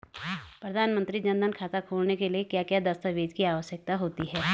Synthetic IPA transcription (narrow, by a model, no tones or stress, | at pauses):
pɾɐd̪ʱaːnmə̃nt̪ɾid͡ʒɐ̃nd̪ʱənkʰaːt̪akʰuːlnekeliekjaːkjaːd̪ɐst̪əʋeːd͡ʒkiaːʋəʃjək̚t̪aɦoːt̪iɦɛː